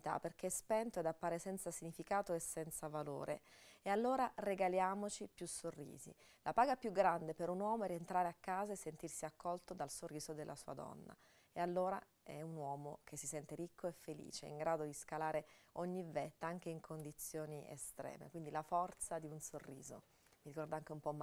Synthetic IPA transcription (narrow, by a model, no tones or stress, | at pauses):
t̪a̰pːerk̟eɛspɛnt̪oed̪apːaːɾesɛnt̪sasiɲːifikaːt̪oesːɛnt̪savalo̰ːɾʔḛealːoːɾareɡaljaːmot͡ʃipjusorːḭːzḭ | lʔapaːɡapjuɡːɾand̪epeɾunwɔːmoɾient̪ɾaːɾeakːaːzaesːent̪irsiakʰːɔlt̪od̪alsorːiːzod̪elːʔasuːa̰d̪ɔ̰nːa̰ | ealːoːɾa | ɛunwɔːmok̟ʰesːisɛnt̪eɾikʰːoefːelḭːt͡ʃḛḭŋɡɾaːd̪od̪iskalaːɾeoɲːivɛt̪ːaaŋk̟eiŋkʰond̪it̪sːjoːniḛst̪ɾɛ̰ːmḛkwind̪ilafɔrt̪sad̪iunsorːiːzo̰ | miɾikɔrd̪aaŋk̟eumpɔmːa